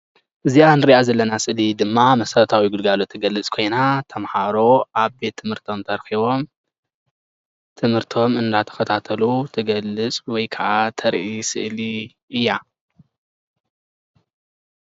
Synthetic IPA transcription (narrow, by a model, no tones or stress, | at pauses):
ʔɨzianɨɾiʔazɐlːɐnasɨʔlid̪ɨmːamɐsɐɾɐt̪ʰawiɡɨlɡalot̪ʰːɐɡɐlːɨt͡sʼkʰo̞jnat̪ʰɐmħaɾo̞ʔaβbe̞t̪ʰːɨmhɨɾt̪ʰo̞mt̪ʰɐɾxiβo̞m | t̪ʰɨmhɨɾt̪ʰo̞mɨnd̪at̪ʰɐ̥xɐt̪ʰat̪ʰɐlut̪ʰɐɡɐlːɨt͡sʼwɔjkʰɐʔat̪ʰɐɾʔisɨ̰ʔli | ʔɨjːa